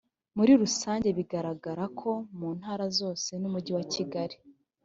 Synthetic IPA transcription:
muɾiɾusaːɲɟe̞βiɡaɾaɡaɾakʰo̞muːn̥haːɾazo̞ːse̞numuɟiwaciɡaɾi

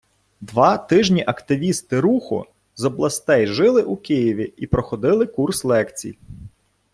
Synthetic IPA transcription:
d̪ʋɑt̪ɪʒnʲiʔɐkt̪ɪʋʲist̪ɪɾuxʊ̰ | zɔblˠɐst̪ɛjʒɪlˠɪʔukɪjiʋʲiipɾɔxɔd̪ɪlˠɪkurslˠɛkt͡sʲḭj

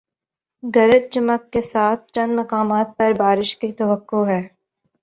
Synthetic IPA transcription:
ɡɐɾəd͡ʒ̚d͡ʒɐməkːesaːt̪̚ʰt͡ʃɐ̃nmɐkaːmaːt̪̚pɐɾbaːɾɪʃkit̪ɐʋəkːoɦɛː

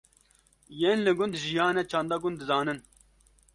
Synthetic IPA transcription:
jeːnlɨɡʊnd̪ʒijɑːnet͡ʃʰɑːnd̪ɑɡʊnd̪ɨzɑːnɨn

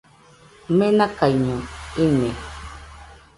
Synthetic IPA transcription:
mẽnakajɲõiɲe

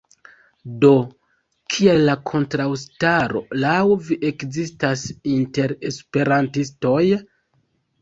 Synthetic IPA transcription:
do̞ | kʰielːakʰo̞ntɾawstaɾo̞̰lawviʔe̞kzistasinte̞ɾe̞spe̞ɾantisto̞j

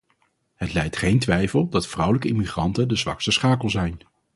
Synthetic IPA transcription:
ɦətlɛjtχejntʋɛjfəlˠdɑtfrʌwləkəɪmiχrɑntəndəzʋɑ̰kstəsχaːkəlˠzɛjn

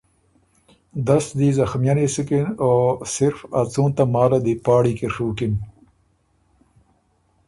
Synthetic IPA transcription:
d̪ɐsd̪izɐxmjanesukinoːsɪɾfat͡sũːnt̪amaːlad̪ipaːɽikiʂuːkin

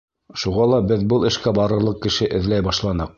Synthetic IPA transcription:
ʃuʁɑlˠɑbɘðbɤlˠɘ̆ʃkæbɑɾɤ̆ɾlˠɤq̚kɘ̆ʃɘʔɘ̆ðlæjbɑʃlˠɑnɤq̚

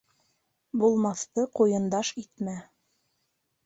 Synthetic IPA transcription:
bulˠmɑθt̪ɤqujɤ̆nd̪ɑʃit̪mæ

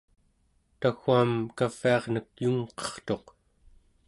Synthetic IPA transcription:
t̪axuamkaviɑʁnək̚juŋqʌ̥χt̪o̞q

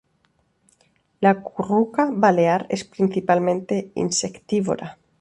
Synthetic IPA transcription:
lakurukaβaleaɾespɾinθipalmẽnt̪eḭnsekt̪iβo̰ɾa

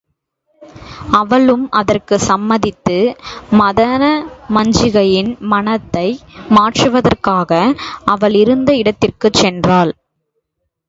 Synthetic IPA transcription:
ɐʋɐɭɯmɐðɐrkɯsɐmːɐðɪt̪ːɯmɐðɐnɐmɐɲd͡ʒɪɣɐjɪnmɐnɐt̪ːɐɪmaːʈrɯʋɐðɐrkaːɣɐɐʋɐɭɪɾɯnd̪ɐɪɽɐt̪ːɪrkɯt͡ʃɛndraːl

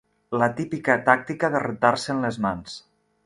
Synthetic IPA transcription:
lət̪ipikət̪ak̚t̪ikəðərət̪aɾsəːnləzmans

